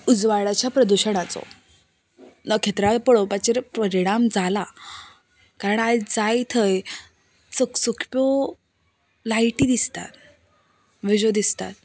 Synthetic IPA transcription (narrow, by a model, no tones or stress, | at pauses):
ud͡zʋaɭat͡ɕjapɾəd̪uɕəɽ̃at͡so̰ | nəkʰet̪ɾapəɭopat͡ɕeɾpəɾiɽ̃amd͡zʱala | kaɾəɳad͡zajt̪ʰəj | t͡səksukʰpo | lajʈiːd̪ist̪a̰t̪̚ | ʋid͡ʑod̪ist̪a̰t̪̚